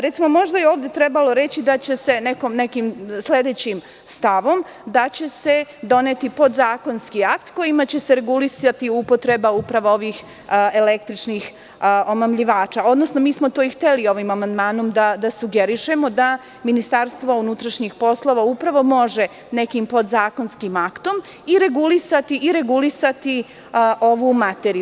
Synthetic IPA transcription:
ɾet̪simo̞mo̞ʒd̪ajeoːʋd̪e̞t̪ɾɛbalˠo̞ɾet͡ɕid̪at͡ɕe̞se̞nekomnekimsle̞d̪et͡ɕim | st̪aʋo̞m | d̪at͡ɕe̞se̞d̪o̞net̪ipo̞d̪zaːko̞nskiakt̪ko̞jimat͡ɕe̞seɾeɡulisat̪iupo̞t̪ɾe̞baupɾaʋao̞ʋix | elek̚t̪ɾit͡ʂnix | o̞mamʎiʋaːt͡ʃao̞d̪no̞snomiːsmo̞t̪oːixt̪elio̞ʋimamand̪maːno̞md̪ad̪asuɡeɾiʃe̞mo̞d̪a | minist̪aɾst̪ʋounut̪ɾaʃɲixpo̞slˠo̞ʋaupɾaʋo̞mo̞ʒe̞ | nekimpo̞d̪zaːko̞nskimakt̪o̞m | iɾe̞ɡulisat̪iʔːɾe̞ɡulisat̪i | ʔoʋumat̪eɾi

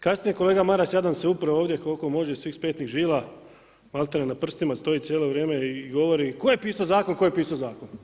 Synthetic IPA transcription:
kasnije̞ko̞le̞ːɡamaɾasjad̪anseupɾaoːʋd̪jekolko̞mo̞ʒesʋiːxspeːt̪niɣʒiːlˠa | malˠt̪aɾenapr̩st̪imast̪o̞jit̪sjeːlo̞ʋɾjeːmeiːɡo̞ʋo̞ɾikojepiːsozaːkonkojepiːsozaːkon

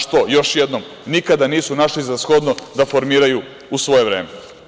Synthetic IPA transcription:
ʃt̪ojo̞ʃjed̪nom | nikad̪aniːsunaʃlizasxo̞d̪nod̪afo̞ɾmiːɾaju | usʋo̞je̞ʋɾḛːme

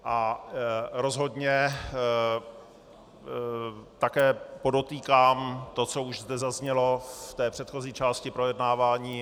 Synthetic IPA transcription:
ʔa | ɾo̞zɦo̞dɲɛ | t̪akɛːpo̞do̞t̪iːkaːmt̪o̞t͡so̞uʒzdɛzazɲɛlo̞ft̪ɛːpr̥ɛt̪xo̞ziːt͡ʃaːscɪpɾo̞jɛdnaːvaːɲiː

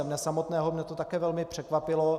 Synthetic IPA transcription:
ɛmɲɛsamot̪nɛːɦomɲɛt̪ot̪akɛːvɛlmɪpr̥ɛkvapɪlo

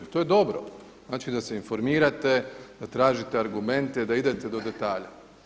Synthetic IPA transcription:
t̪o̞jed̪o̞bɾo̰ | znaːt͡ʃid̪ase̞info̞ɾmiːɾat̪ed̪̥at̪ɾaːʒit̪eaɾɡume̞nt̪ed̪aid̪e̞t̪e̞d̪o̞d̪e̞t̪aːʎa

